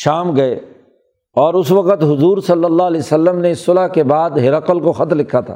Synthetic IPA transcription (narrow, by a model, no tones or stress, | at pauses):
ʃaːmɡɐe | ɔːɾʊsʋɐqət̪ɦʊzuːɾsɐlːəlːaːlɛːsɐlːəmneɪsːʊlakebaːd̪ɦɪɾəqəlkoxɐt̪lɪkʰːat̪ʰa̰ː